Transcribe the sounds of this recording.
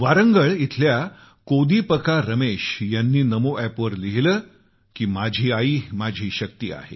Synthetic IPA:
ʋaɾəŋɡəɭit̪ʰlja | kod̪ʱiːpəkaɾəmeɕjanːiːnəmoʔæpʋəɾliɦləː | kiːmad͡ʑʱiːaiːmad͡ʑʱiːɕək̚t̪iːa̰ɦḛ

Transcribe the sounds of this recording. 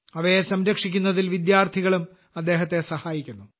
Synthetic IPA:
ɐʋɐjesɐmɾɐkʂikʲːunːɐðilʋid̪jaːrt̪ʰiɣɐɭum | ɐd̪ːe̞ːɦɐt̪ːesɐhaːjikʲːunːu

